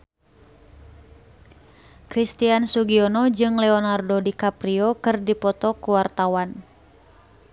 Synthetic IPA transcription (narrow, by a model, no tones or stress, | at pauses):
kɾist̪iansuɡiɔnɔd͡ʒɨŋlɛɔnardodikapɾiɔkɨrdipɔt̪ɔkuwart̪awan